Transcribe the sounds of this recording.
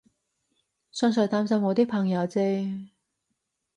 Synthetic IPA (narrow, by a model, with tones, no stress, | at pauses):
sœː˥ŋsœ˨˧jt̪aː˥msɐ˥mŋɔː˨˧t̪iː˥kpʰɐ˨˩ŋjɐ˨˧wt͡se˥